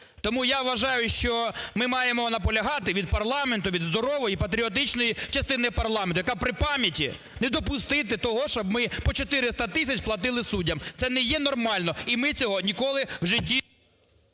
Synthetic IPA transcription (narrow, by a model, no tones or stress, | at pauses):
t̪ɔmujaʋʋɐʒɑjʊʃt͡ʃɔmɪmɑjemɔnɐpɔlʲɐɦɑt̪ɪʋʲid̪̚pɐrlˠɑment̪ʊʋʲid̪zd̪ɔɾɔʋɔjipɐt̪ɾʲiɔt̪̬ɪt͡ʃnɔjit͡ʃɐst̪ɪnɪjpɐrlˠɑment̪ʊjɐkapɾɪpɑmʲjɐtʲḭ | nɛd̪ɔpʊst̪ɪt̪ɪt̪ɔɦɔʃɔbmɪpɔt͡ʃɔt̪ɪɾɪst̪ɐt̪ɪsʲɐt͡ʃplˠɐt̪ɪlˠɪsudʲːɐmt̪sɛnɛjɛnɔrmɑlʲnɔimɪt͡sʲɔɦɔnʲikɔlˠɪwʒɪtʲːi